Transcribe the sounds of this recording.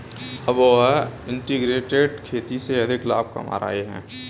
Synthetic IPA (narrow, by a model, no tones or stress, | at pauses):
ɐbɪ̃ɳʈiɡɾeːʈeɖkʰeːt̪iseɐd̪ʱɪklaːb̚ka̰ma̰ːɾa̰ːeɦɛ̰̃ː